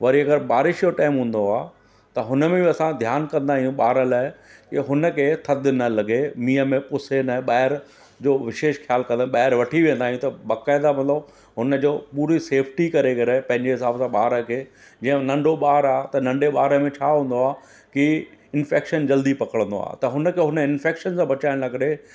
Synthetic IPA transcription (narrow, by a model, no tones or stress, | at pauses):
ʋɐɾiɐɡəɾbaːɾɪʃjoʈaːɪmɦũːn̆d̪oaː | t̪ɐɦʊnəmẽbiɐsãd̪ʱjaːnkɐ̃nd̪aːɦijũɓaːɾəlaːɪkɪɦʊnəkʰet̪ʰɐd̪ɪnɐlɐɡemiːəmẽpʊsenaɓaːɪɾ | d͡ʑoːʋɪʃeːʃxjaːlkɐ̃nd̪ɓaːɦɪɾʋɐʈʰiʋĩːə̃nd̪aːɦijũt̪ɐbaːkaːɪd̪amɐt̪ləb | ɦʊnəd͡ʑoːpuːɾiseːfʰʈikɐɾekɐɾepɐ̃ɦɪ̃ɲd͡ʑeɦɪsaːbsãɓaːɾəkʰeː | d͡ʑĩːə̃nɐ̃ɳɖoɓaːɾaːt̪ɐnɐ̃ɳɖeɓaːɾəmẽt͡ɕʰaːɦũːnd̪oaː | kiɪnfeːkʃənd͡ʑɐld̪ipɐkəɽ̃ə̃nd̪o̰a̰ːt̪ɐɦʊnəkʰeɦʊnəɪnfeːkʃənsãbɐt͡ɕaːɪ̃lɐɡɾe